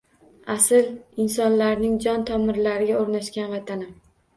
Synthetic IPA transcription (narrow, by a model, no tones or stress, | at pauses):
asɪlɪnsɒnlaɾnɪŋd͡ʒɒnt̪ʰɒmɪɾlaɾɪɡʲaoɾnaʃkʲanvat̪ʰanɪ